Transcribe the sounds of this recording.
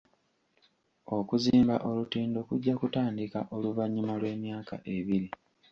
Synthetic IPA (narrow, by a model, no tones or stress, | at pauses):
o̞kuziːmba̰ʔo̞lutiːndo̞kuɟːakutaːndika̰ʔo̞luvaɲːumalwe̞ːmjaːka̰ʔe̞βiɾi